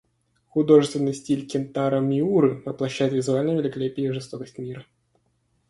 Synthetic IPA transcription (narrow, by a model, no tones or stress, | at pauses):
xʊd̪o̞ʐɨst̪vʲɪnːɨjsʲtʲilʲkʲɪnt̪aɾəmʲɪuɾɨvəplˠɐɕːæjʊt̪vʲɪzʊalʲnəjvɪlʲɪkalʲepʲɪjəʐɨst̪o̞kəsʲtʲmʲiɾə